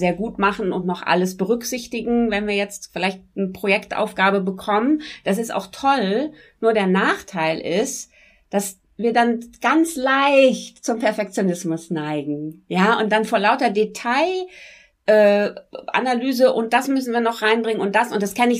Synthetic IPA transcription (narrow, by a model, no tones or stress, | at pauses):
zeːɐɡuːtmaχn̩ʊntnɔχʔa̰ləsb̥əʁʏkz̥ɪçtɪɡŋ̩vɛnviːɐjɛt͡stfɪlaɪçtnəpʁ̥ojɛktʔa̰ʊfɡ̥aːbəbəkʰɔmənd̥as̬ɪsta̰ʊxtʰɔl | nuːɐɾeːɐnaːχtʰaɪlʔɪst | d̥as | viːɐdanɡ̥ant͡slaɪçtt͡sʊmpɛɐfɛk̚t͡sjonɪsmʊsnaɪɡŋ̩jaːʔʊnt̚d̥anfoːɐlaʊtɐdetʰaɪ | ʔɛːʔa̰nalyːzəʔʊnt̚d̥asmʏsn̩viːɐnɔχʁaɪnbʁɪŋənʊnt̚d̥asʔʊntd̥askʰɛnɪç